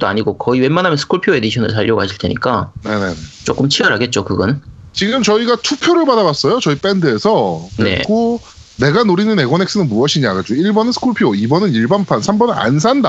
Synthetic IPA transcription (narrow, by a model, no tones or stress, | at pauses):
d͈oa̰ɲiɡokʌiwe̞manɦamjʌnsʰɯ̥kʰoɭpʰioe̞diɕʰʌnɯ̰ɭsaʎːʌɡoɦaɕʰi̥ɭtʰe̞̰ɲḭk͈ane̞ne̞net͡ɕ͈ok͈ɯmt͡ɕʰiʌɾɦaɡe̞t̚t͡ɕ͈okɯɡʌn | t͡ɕiɡɯmt͡ɕʌiɡatʰupʰjoɾɯɭbadawas͈ʌjot͡ɕʌip͈e̞ndɯe̞sʰʌkḛkʰo | ne̞ɡanoɾinɯne̞ɡwʌneks͈ɯnɯnmuʌɕʰiɲaɡad͡ʑoiɭbʌnɯnsʰɯ̥kʰuɭpʰioibʌnɯniɭbanpʰansʰambʌnɯa̰ns̬ʰanda